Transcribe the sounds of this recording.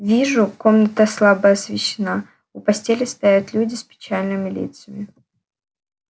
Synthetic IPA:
vʲiʐʊko̞mnət̪əslˠabəɐsvʲɪɕːɪna | ʊpɐsʲtʲelʲɪst̪ajat̪lʲudʲɪspʲɪ̥t͡ɕalʲnɨmʲɪlʲḭt̪sɨjəmʲɪ

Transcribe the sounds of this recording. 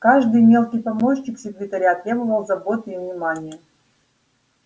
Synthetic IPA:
kaʐd̪ɨjmʲe̞lˠkʲɪjpɐmoɕnʲɪkfsʲɪkɾʲɪt̪ɐɾʲaɐt̪ɾʲe̞bɨvəlˠzɐbo̞t̪ɨivnʲɪmanʲɪjə

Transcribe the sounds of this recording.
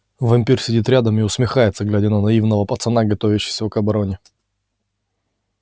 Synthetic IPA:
vɐmʲpʲirsʲɪdʲit̪ɾʲad̪əmɪʊsmʲɪxajɪt̪səɡlʲædʲɪnənɐivnəvəpət̪sɨnaɡɐt̪ovʲɪɕːɪ̥jsʲvəkɐbɐɾo̞nʲɪ

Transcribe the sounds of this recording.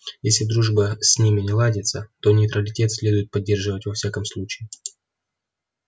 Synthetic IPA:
jesʲlʲɪd̪ɾuʐbəsʲnʲimʲɪnʲɪlˠadʲɪt̪sət̪o̞nʲɪjt̪ɾəlʲɪtʲe̞t̪sʲlʲed̪ʊɪt̪̚pɐdʲːe̞rʐɨvətʲvɐfsʲakəmslˠut͡ɕɪɪ

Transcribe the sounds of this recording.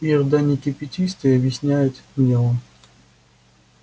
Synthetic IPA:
iərd̪anʲɪkʲɪpʲɪtʲist̪ɨɐbʲjɪsʲnʲæjʊt̪mʲelˠə

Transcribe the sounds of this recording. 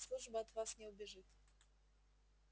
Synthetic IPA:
slˠuʐbəɐt̪vasnʲɪʊbʲɪʐɨt̪

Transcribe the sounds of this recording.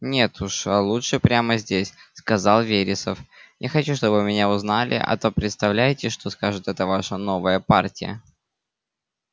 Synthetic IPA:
nʲe̞t̪uʂalˠuʂɨpɾʲaməzʲdʲesʲskɐzɑlˠvʲeɾʲɪsəfjaxɐt͡ɕuʂt̪o̞bvɨmʲɪnʲaʊznalʲʔɪ̰ʔɐ̰t̪o̞pɾʲɪt̪st̪ɐvlʲæjɪtʲɪʂt̪o̞skaʐɨt̪ɛt̪əvaʂəno̞vəjəpartʲɪjə̰

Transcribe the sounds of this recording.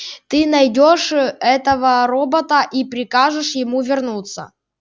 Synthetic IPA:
t̪ɨnɐjdʲoʂɛt̪əvəɾobɐt̪əʔipɾʲɪkaʐɨʂjɪmuvʲɪrnut̪sə̰

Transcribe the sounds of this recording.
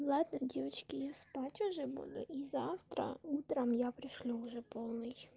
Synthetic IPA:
lˠɑd̪nɐdʲiʋɐt͡ʃkɪjaspɑtʲʊʒɛbṵd̪ʊ̰ʔizɑwt̪ɾɐ̰ut̪ɾɐmjapɾɪʃlʲɔʊʒɛpɔlˠnɪj

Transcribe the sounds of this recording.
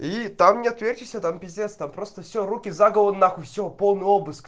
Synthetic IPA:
it̪amnʲɪɐt̪vʲerʲtʲɪsʲət̪ampʲɪzʲet̪st̪ampɾost̪əfsʲoɾukʲɪzaɡəlˠənːaxʊfsʲopo̞lˠnɨobɨsk

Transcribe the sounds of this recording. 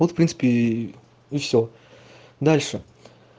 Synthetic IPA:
vot̪fpɾʲinsɨ̥pʲɪ | ifsʲo | d̪alʲʂɨ

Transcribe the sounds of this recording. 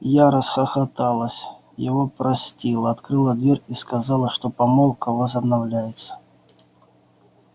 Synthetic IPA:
jaɾəsxɐxɐt̪alˠəsʲ | jɪvo̞pɾɐsʲtʲilˠəɐt̪kɾɨlˠəd̪vʲeɾʲiskɐzɑlˠəʂt̪opɐmolˠkəvəzəbnɐvlʲæjɪt̪sə̥

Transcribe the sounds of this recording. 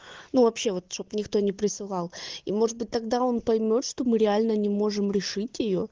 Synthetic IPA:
nuvɐpɕːe̞vo̞t̪ʂt̪opnʲɪkt̪o̞nʲɪpɾʲɪsɨlˠɑlˠimo̞ʐɨt̪̚bɨt̚ʲt̪ɐɡd̪ao̞npɐjmʲo̞t̪ʂt̪o̞mɨɾʲɪalʲnənʲɪmo̞ʐɨmɾʲɪʂɨtʲjɪjo̞

